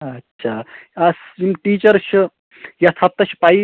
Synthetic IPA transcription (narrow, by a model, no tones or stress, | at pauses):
ɐtːɕʰaɐsimʈiːt͡ʃɐɾʃʰu | jɐt̪ʰɐp̚t̪ɐʃʰi̥pai